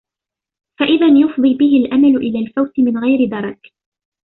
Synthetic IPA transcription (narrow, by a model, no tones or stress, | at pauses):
faʔɪðanjʊfd̪ˤiːbɪɦɪlʔamalʊʔɪlaːlfawt̪ɪmɪnɣajɾɪd̪ɑɾˤɑk